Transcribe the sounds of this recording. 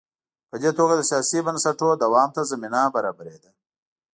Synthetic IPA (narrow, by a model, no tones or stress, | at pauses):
pəd̪et̪oɡad̪əsijɑːsibənsaʈod̪ɐwɑːmt̪azɐminabaɾɑːbaɾed̪a